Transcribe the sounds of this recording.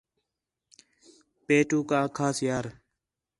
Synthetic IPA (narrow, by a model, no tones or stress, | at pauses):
peːʈuːkaːkʰaːsjaːɾ